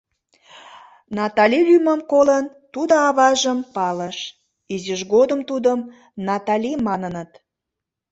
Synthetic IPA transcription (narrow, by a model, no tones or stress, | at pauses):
nɑt̪ɑlʲilyməmkolən | t̪ud̪əɑβɑʒəmpɑləʃ | iziʒɣod̪əmt̪ud̪əm | nɑt̪ɑlʲimɑnənət̪